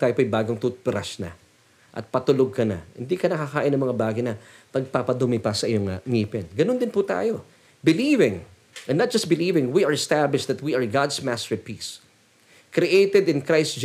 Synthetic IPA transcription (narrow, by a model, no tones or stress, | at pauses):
t̪aːjopːɐjbaːɡoŋt̪upɾaʃnɐ̰ | ʔɐ̰t̪̚pɐt̪ʊloɡ̚kɐnɐ̰hɪ̰nd̪ikɐnɐkakaːʔɪnɐŋmɐŋabaːɡɪjnɐpɐɡ̚papɐd̪ʊmɪpɐsɐʔɪjoŋɐŋiːpɪnɡɐnond̪ɪnput̪a̰ːjo̞ | bɪlivɪ̃ŋ | ɐnnːɐt̪̚d͡ʒɐst̪̚bɪliːvɪ̃ŋwiɐɹɛst̪ablɪʃd̪ɐt̪̚wiɐɹɡad̪smast̪ɛɹpis | kɾiʔejt̪ɛd̪ɪ̃nkɹajsd͡ʒ